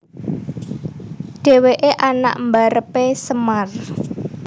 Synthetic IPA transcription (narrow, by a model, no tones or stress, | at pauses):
ɖ̥e̤weʔeʔana̰ʔmbaɾəpesəmar